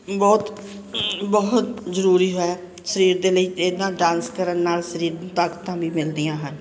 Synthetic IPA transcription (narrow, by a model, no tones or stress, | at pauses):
bɔːt̪ | bəɦʊt̪zəɾuːɾiːɦoaː | səɾiːɾd̪eːləiːed̪ãːɖãːnskəɾənːaːlsəɾiːɾt̪əkt̪ãːbiːmɪld̪ijãːɦən